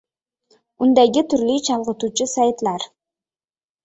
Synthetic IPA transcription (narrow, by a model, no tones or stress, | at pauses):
mund̪ɑjɡit̪ʰyɾlyt͡ʃʰɑlˠʁət̪uːt͡ʃusɑjt̪lˠɑɾ